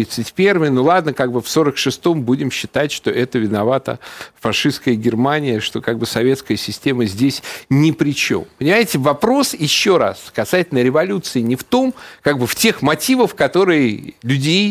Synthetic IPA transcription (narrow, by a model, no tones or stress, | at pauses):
it̪sɨtʲpʲe̞rvɨjnulˠad̪nəkaɡ̚bɨfso̞ɾəkʂɨst̪o̞mbudʲɪmɕːɪt̪atʲʂt̪o̞ʔɛt̪əvʲɪnɐvat̪ə̰fɐʂɨskəjəɡʲɪrmanʲɪjəʂt̪o̞kaɡ̚bɨsɐvʲe̞t̪skəjəsʲɪsʲtʲe̞məzʲdʲesʲnʲɪpɾʲɪt͡ɕo̞̰mpənʲɪmajɪtʲɪvɐpɾo̞sjɪɕːo̞ɾa̰skɐsatʲɪlʲnəɾʲɪvɐlʲut̪sɨɪnʲɪft̪o̞mkaɡbɨftʲe̞xmɐtʲivəfkɐt̪o̞ɾɨjɪlʲʉdʲej